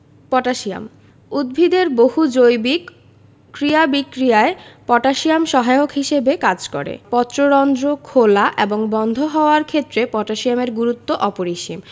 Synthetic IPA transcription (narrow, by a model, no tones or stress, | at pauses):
pɔʈaʃia̰m | ud̪̚bʱid̪eɾboɦud͡ʑojbik | kɾiabikɾijaepɔʈaʃijamʃɔɦajokʰɦiʃebekad͡ʑkɔ̰ɾḛpɔt̪ːɾoɾɔnd̪ɾokʰolaʔeboŋbɔnd̪ʱoɦɔoaɾkʰet̪ːɾepɔʈaʃiameɾɡuɾut̪ːoʔɔpoɾiʃim